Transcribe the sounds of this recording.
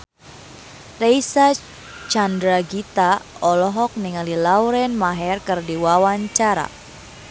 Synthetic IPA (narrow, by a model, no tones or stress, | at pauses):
rejsa | t͡ʃandɾaɡit̪aɔlɔɦɔk̚niŋalilawɾɛnmaɦɛrkɨrdiwawaɲt͡ʃaɾa̰